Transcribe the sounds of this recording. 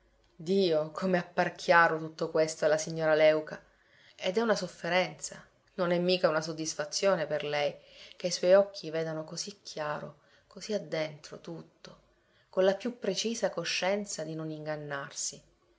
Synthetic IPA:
d̪iːokʰomeapːarkʰjaːɾot̪ut̪ːokwest̪oɛlːasiɲːoːɾalɛwka | ed̪ɛunasofːeɾɛnt̪sa̰ | nonɛmːiːkaunasod̪ːisfat̪sːjoːneperlɛjkeiswɔjɔkʰːiveːd̪anokozikʰːjaːɾo̰ | koziad̪ːent̪ɾot̪ut̪ːo | konlapjupːɾet͡ʃiːzakoʃːɛnt̪sad̪inoniŋɡanːarsi

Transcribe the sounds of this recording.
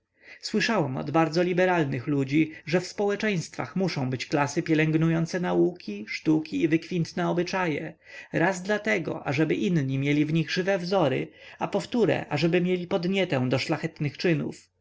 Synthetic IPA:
swɘʂawɛmɔ̰d̪baɾd̪zɔlʲibɛɾalnɘxlud͡ʑiʐɛfspɔwɛt͡ʂɛj̃st̪fa̰xmuʂɔ̃w̃bɘt͡ɕklasɘpʲjɛlɛŋɡnujɔnt̪sɛnaukʲiʂt̪ukʲiːvɘkfʲint̪nɛɔbɘt͡ʂajɛ | ɾazd̪lat̪ɛɡɔ̰ʔaʐɛbɘʔinɲimʲjɛlʲivɲiɣʐɘvɛvzɔɾɘ̰apɔft̪uɾɛ̰ʔaʐɛbɘmʲjelʲipɔd̪ɲɛt̪ɛ̃w̃d̪ɔʂlaxɛt̪nɘxt͡ʂɘnṵf

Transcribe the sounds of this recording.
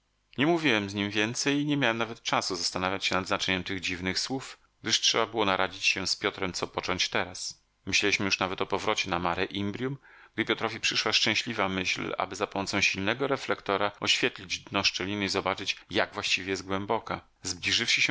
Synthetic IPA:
ɲɛmuvʲiwɛmzɲimvʲjɛnt̪sɛjiɲɛmʲjawɛmnavɛt̪̚t͡ʂasuzast̪anavʲjat͡ɕɕɛnad̪znat͡ʂɛɲɛmt̪ɘɣd͡ʑivnɘxswuf | ɡ̥̚d̪ɘʂtʂɛbabɘwɔnaɾʔad͡ʑit͡ɕɕɛspʲjɔt̪ɾɛmt̪sɔpɔt͡ʂɔɲt͡ɕt̪ɛɾas | mɘɕlɛiɕmɘjuʂnavɛt̪ɔpɔvɾɔt͡ɕɛnamaɾɛʔimbɾʲjum | ɡ̥d̪ɘpʲjɔt̪ɾɔvʲipʂɘʂwaʂt͡ʂɛ̃ɕlʲivamɘɕla̰bɘzapɔmɔt̪sɔ̃w̃ɕilnɛɡɔɾɛflɛkt̪ɔɾaɔɕfʲjɛt̪lʲid͡ʑd̪nɔʂt͡ʂɛlʲinɘizɔbat͡ʂɘt͡ɕjaɡvwaɕt͡ɕivʲɛjɛzt̪ɡwɛmbɔka̰ | zblʲiʐɘfʂɘɕɛ

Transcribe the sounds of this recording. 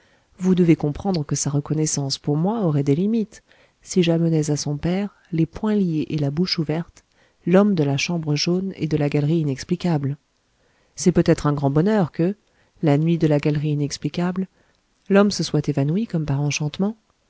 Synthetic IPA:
vud̪əvekɔ̃pχɑ̃d̪ʁəkəsaʁəkɔnɛsɑ̃spuʁmwaɔʁɛd̪elimit̪ | siʒamənɛzasɔ̃pɛʁ | lepwɛ̃ljeʔelabuʃuvɛʁt̪ | lɔmd̪əlaʃɑ̃bʁəʒonḛd̪əlaɡalʁiːnɛksplikʲabl | sɛpøt̪ɛt̪χɛ̃ɡʁɑ̃bɔnœʁkə | lanɥid̪əlaɡalʁiːnɛksplikʲabl | lɔmsəswat̪evanuikɔmpaʁɑ̃ʃɑ̃t̪mɑ̃

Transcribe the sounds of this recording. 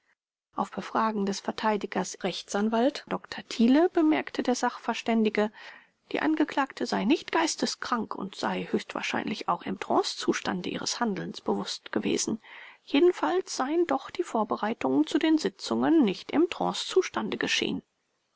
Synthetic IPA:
ʔaʊfb̥əfʁ̥aːɡŋ̩dɛsfɛɐtʰaɪdɪɡɐsʁɛçt͡sanvaltd̥ɔktʰɐtʰiːləb̥əmɛɐktʰədeːɐzaχfɛɐʃtɛndɪɡə | d̥ḭːʔa̰nɡəkl̥aːktʰəzaɪnɪçtɡ̥aɪstəskʁ̥aŋkʰʊ̰ntz̥a̰ɪhøːçstv̥a̰ːɐʃa̰ɪnlɪça̰ʊxɪmtʁ̥ɔ̰̃ːst͡suːʃtandəʔiːʁəshandl̩nsb̥əvʊstɡ̥əvḛːz̥n̩jeːdn̩falsz̥aɪəndɔχd̥iːfoːɐbəʁaɪtʊŋət͡sudeːnzɪt͡sʊŋənːɪçtɪmtʁ̥ɔ̰̃ːst͡suːʃtandəɡəʃḛːən

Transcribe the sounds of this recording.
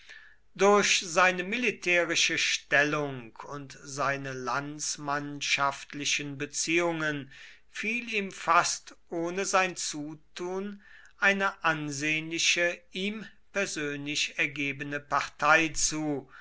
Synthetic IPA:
dʊɐçzaɪnəmilitʰɛːʁɪʃəʃtɛlʊŋkʰʊntz̥aɪnəlant͡smanʃaftlɪʃənbət͡siːʊŋən | fiːliːmfastʔoːnəzaɪnt͡suːtʰuːn | ʔaɪnəʔanzeːənlɪʃəiːm | pɛɐzøːnlɪʃɛɐɡeːbənəpaʁtʰaɪt͡suː

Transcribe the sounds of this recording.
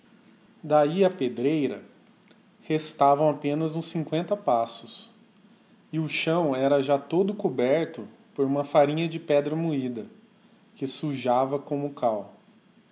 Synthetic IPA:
d̪aiɐped̪ɾejɾɐ̰ | hest̪avɐ̃w̃apẽnɐzũsĩŋkwẽnt̪ɐpasʊs | ɪʊʃɐ̃w̃ɛɾɐʒat̪od̪ʊkobɛɾt̪ʊ | poɾũmɐfaɾĩɲɐd͡ʒɪpɛd̪ɾɐmuid̪ɐ | kɪsuʒavɐkõmʊkaw

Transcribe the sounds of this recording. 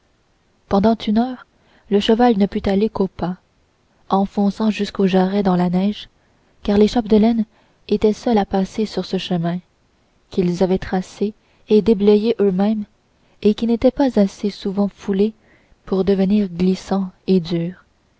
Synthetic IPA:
pɑ̃d̪ɑ̃t̪ʰynœːʁ | ləʃəvalnəpyt̪alekopa | ɑ̃fɔ̃sɑ̃ʒyskoʒaʁɛd̪ɑ̃lanɛʒ | kaʁleʃapd̪əlɛn | et̪ɛsœlapasesyʁsəʃəmɛ̃ | kʲilzavɛt̪χase | ed̪eblɛjeʔømɛ̃m | ekʲinet̪ɛpazasesuvɑ̃fule | puʁd̪əvəniːʁɡlisɑ̃ed̪yːʁ

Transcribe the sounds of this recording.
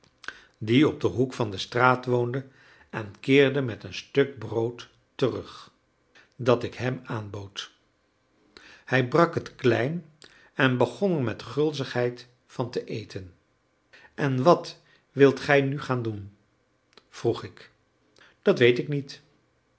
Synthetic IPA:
diɔb̚dəɦukfɑndəstraːtʋowndə | ɛnkɪːɹdəmɛtənstɵk̚browtː | ərɵχ | dɑtɪkɦɛmaːnbowt | hɛjbrɑkɦətklɛjn | ɛnbəχɔnəɹmɛtχɵlˠzəχɦɛjt | fɑntəʔejtʰən | ʔɛnʋɑt | ʋɪlˠtχɛjnyχaːndun | v̥ruχɪk | d̥ɑtʋejtɪknit

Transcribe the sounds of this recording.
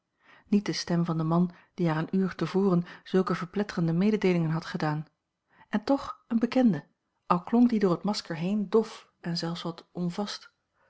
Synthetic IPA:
nit̚dəstɛmvɑndəmɑn | d̥iɦaːɹənyːɹtəvʊːrənz̥ɵlˠkəvəɹplɛtərəndəmejdədejlɪŋənɦɑtχədaːn | ɛntɔχənbəkɛndə | ʔɑlˠklɔŋkdidʊːɹətmɑskəɹɦejndɔf | ɛnzɛlˠfsʋɑtʔɔnvɑst

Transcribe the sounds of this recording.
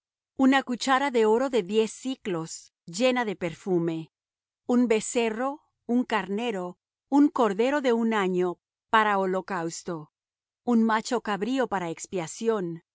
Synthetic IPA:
unakut͡ʃaɾaðe̞o̞ɾo̞ðe̞ðje̞sːiklo̞s | ʝe̞naðe̞pe̞ɾfume̞ | umbe̞se̞ro̞ | uŋkaɾne̞ɾo̞ | uŋko̞ɾðe̞ɾo̞ðe̞unaɲo̞ | paɾaolo̞kawst̪o̞ | unmat͡ʃo̞kaβɾio̞paɾaekspjasjo̞n

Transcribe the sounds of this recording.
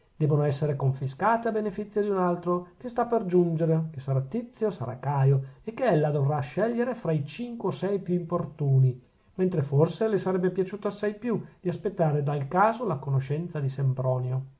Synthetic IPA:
d̪̥ɛːbonoɛsːeɾekoɱfiskaːt̪eabenefit̪sːjod̪iunalt̪ɾokest̪apːerd͡ʒund͡ʒeɾekesaɾat̪ːit̪sːjosa̰ɾa̰kaːjoekːeɛlːad̪ovraʃːɛʎːeɾefɾait͡ʃiŋkweosɛjpjuimport̪uːni | ment̪ɾeforselesaɾɛbːepjat͡ʃuːt̪oasːajpjud̪̥iaspet̪ːaːɾed̪alkaːzolakonoʃɛnt̪sad̪isembɾɔːneo

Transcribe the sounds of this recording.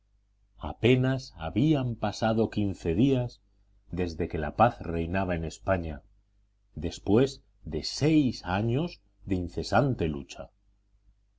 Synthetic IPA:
a̰pe̞nasaβiampasaðo̞kinθe̞ðiaz | ðe̞zðe̞ke̞la̰paθre̞jnaβae̞ne̞spaɲa | ðe̞spwe̞z | ðe̞se̞jsaɲo̞z | ðeinθe̞sant̪e̞lṵt͡ʃa̰

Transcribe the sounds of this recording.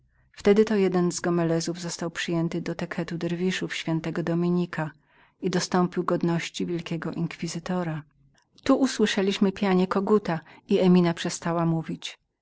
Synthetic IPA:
ft̪ɛd̪ɘt̪ɔjɛd̪ɛnzɡɔmɛlɛzuvzɔst̪awpʂɘjɛnt̪ɘd̪ɔt̪ɛkʰɛt̪ud̪ɛɾvʲiʂufɕfʲjɛnt̪ɛɡɔd̪ɔmʲiɲikʰa | id̪ɔst̪ɔmpʲiwɡɔd̪nɔɕt͡ɕivʲjɛlkʲɛɡɔʔiŋkfʲizɘt̪ɔɾa | t̪uʔuswɘʂɛlʲiɕmɘpʲjaɲɛkɔɡut̪aiɛmʲinapʂɛst̪awamuvʲit͡ɕ

